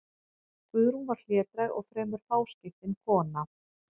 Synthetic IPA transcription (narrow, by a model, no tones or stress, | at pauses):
kʏðɾunvaɾ̥l̥jɛːt̪ɾajɣɔ̰ɣfɾɛːmʏɾ̥faːwscɪft̪ɪnkʰɔːna